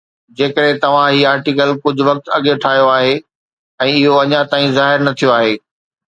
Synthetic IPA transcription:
d͡ʑeːkəɾɦẽt̪ɐʋ̤ãɦiːaːɾʈikəlkʊd͡ʑʱʊ̆ʋɐk̚t̪ɐɠeʈʰaːijoaːɦe | ɛ̃ːɪɦoɐɲãt̪aːĩzaːɦɪɾnɐt̪ʰijoaːɦeː

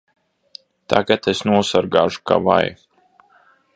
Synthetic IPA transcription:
t̪a̰ɡat̪esnuɔsaɾɡaːʒu̥ka̰va̰j

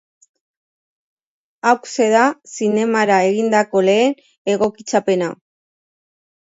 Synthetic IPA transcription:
awkse̞ðasine̞maɾae̞ɣind̪ako̞le̞ːn | e̞ɣo̞kit͡sape̞na

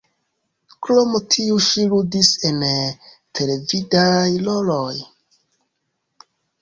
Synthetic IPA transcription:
klo̞motʰiuʃiludise̞n | tʰe̞le̞vidajloloj

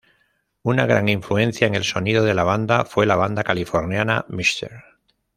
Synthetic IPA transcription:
unaɣ̞ɾa̰ŋiɱflue̞n̟θjaeŋe̞lso̞niðoðe̞laβand̪afwe̞laβ̞and̪akalifo̞ɾnjana̰mist̪e̞̰ɾ

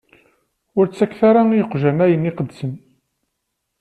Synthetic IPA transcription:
ʊɾt͡sːækːθaɾaijəqʒænæjəniqəd̪sən

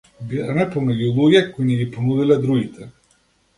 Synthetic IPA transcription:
biɾanɛpɔmɛɟulˠuɡɛkoinɛɡiponud̪ilɛd̪ɾuɡit̪ʰɛ

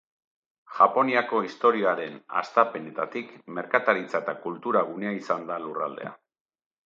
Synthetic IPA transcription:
ʝapo̞niako̞ist̪o̞ɾioaɾe̞na̰st̪ape̞ne̞t̪at̪ikme̞ɾkat̪aɾit͡saet̪akult̪uɾaɣ̞une̞aisand̪alurald̪e̞̰a̰

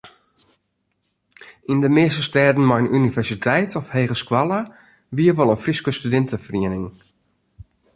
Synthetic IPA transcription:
indəmɪːstəstɛːdn̩mɔjnʔynivɛrsitʰɛjtʰɔfheːɣəskwalˠə | ʋiəʋolˠənfriskəstydɪntəfriənɪŋ

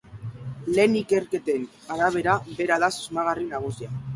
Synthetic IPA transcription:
le̞nike̞rke̞t̪e̞n | aɾaβ̞e̞ɾabe̞ɾaðasuzmaɣ̞arinaɣ̞usia

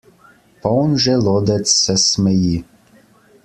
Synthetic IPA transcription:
pɔɔnʒɛloːd̪ɛt̪sːɛsmɛji

